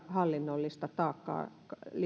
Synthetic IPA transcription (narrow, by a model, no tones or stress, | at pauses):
hɑlːinːolːist̪ɑt̪ɑːkːɑ̰ː | li